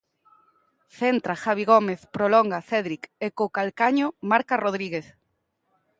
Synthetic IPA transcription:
θent̪ɾaxaβiɣomeθpɾolɔŋɡaθeðɾikekokalkaɲomaɾkaroðɾiɣeθ

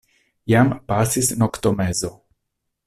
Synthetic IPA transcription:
jampaːsisnokt̪omɛzo

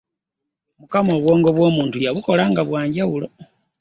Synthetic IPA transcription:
mukamo̞ːβwo̞ːŋɡo̞βwo̞ːmuːntujaβuko̞laːŋɡaβwaːɲɟawulo

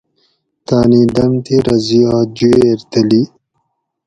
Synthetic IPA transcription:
t̪aːnid̪ɐmt̪eɾɐziad͡ʑueɾt̪əli

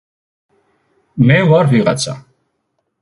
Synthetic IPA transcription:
mɛwaɾviʁa̰t̪sʰa̰

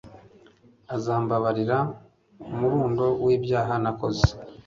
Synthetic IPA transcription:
azaːmbaβaɾiɾa | umuɾuːndo̞wiːbjaːɦanako̞ze̥

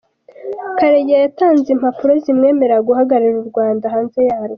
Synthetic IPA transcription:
kaɾejajataːnzim̥hapuɾozimŋe̞ːme̞ɾaɡuhaɡaɾiɾuɾɡwaːndaɦaːnze̞jaːɾo

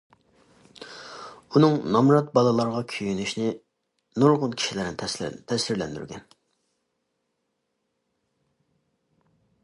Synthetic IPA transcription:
unɨŋnɑmɾɑt̪̚bɑlˠɨlˠɑɾʁɑkʲʰyjynyʃnɪ | nuɾʁʊnkʲʰi̥ʃilɪɾɪnɪt̪ʰɛsiɾlɛnd̪y̰ɾɡʲɛn

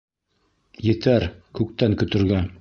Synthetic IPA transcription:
jɘ̆t̪æɾkʉk̚t̪æŋkɵ̆t̪ɵ̆ɾɡæ

